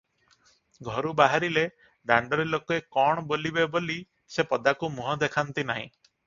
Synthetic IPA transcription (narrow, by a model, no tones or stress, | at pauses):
ɡʱɔɾubaɦaɾile | ɖaɳɖɔɾelokɔekɔɽ̃ɔbolibeboli | sepɔd̪akumuɦɔd̪ekʰant̪inaɦḭ̃